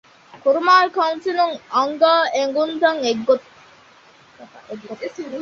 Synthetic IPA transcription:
kuɾumaːlkɐwnsinuŋɐŋɡaːeŋɡund̪ɐŋeɡːo

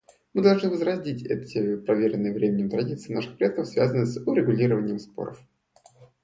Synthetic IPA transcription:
mɨd̪ɐlˠʐnɨvəzɾɐzʲdʲitʲɛ̰t̪ʲɪpɾɐvʲeɾʲɪnːɨjəvɾʲemʲɪnʲɪmt̪ɾɐdʲit̪sɨːnaʂɨ̥xpɾʲɪɛt̪̚kəfsvʲazənɨsʲʊɾʲɪɡʊlʲiɾəvənʲɪjəmspo̞̰ɾə̰f

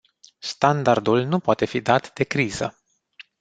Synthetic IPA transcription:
st̪and̪ard̪ulnupoat̪e̞fid̪at̪d̪e̞kɾiz̥ə̰

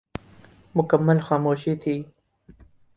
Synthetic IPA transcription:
mʊkamːalxɑːmoːʃit̪ʰi

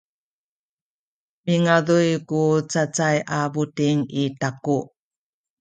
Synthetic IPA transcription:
miŋaðujkut͡sat͡sajʔabutiŋitaku

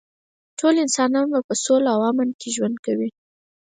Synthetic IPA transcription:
ʈʰolɪnsɑnɑnbapəsolaawɑmɪnkʰeʒwand̪̚kawi

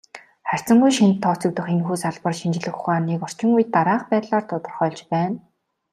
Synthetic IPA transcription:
χær̥ʲt͡sə̆ŋɡujʃint̪ʰːɔːt͡sɵ̆k̚t̪ə̆χenxuːsaɮpə̆rʃint͡ɕɪ̆ɮɘ̆xʊχaːnːiːkɔr̥t͡ɕɪ̆ŋujɘ̆t̪ːaɾaːχpæːt̪ɮaːrt̪ʰʊt̪ɞ̆rχœːɮt͡ɕpæːn

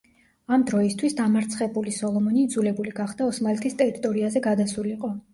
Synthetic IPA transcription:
amd̪ɾɔist̪ʰwisd̪amaɾt̪sʰχɛbulisɔlˠɔmɔnid̪zulɛbuliɡaχd̪aɔsmalɛt̪ʰist̪ʼɛɾit̪ʼɔɾiazɛɡad̪asuliːqʼɔ

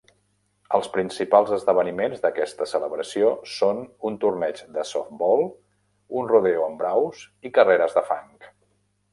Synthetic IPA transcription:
əlˠspɾinsipalˠzəzðəβ̞ənimenzðəkɛst̪əsələβɾəsiosonunt̪urnɛt͡ʃd̪əsɔ̰fbɔlˠ | unruðeuəmbɾawzikəreɾəzðəfa̰ŋk

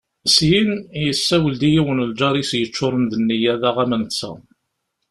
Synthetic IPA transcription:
əsjinjəsːæwəld̪ijiwənəld͡ʒɑɾˤisjət͡ʃːʊɾˤənðənːijæðæʁæmənt͡sːæ̰

